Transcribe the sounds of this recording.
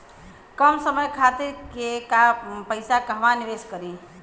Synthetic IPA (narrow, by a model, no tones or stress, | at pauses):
kəmsəməjkʰat̪iɾkekapəɪsakəɦʋaniʋeskəɾi